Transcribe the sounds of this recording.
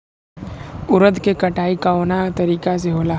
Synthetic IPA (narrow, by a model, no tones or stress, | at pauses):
ʊɾəd̪kekɐʈaːikaonat̪ɐɾiːkas̬eɦoːlaː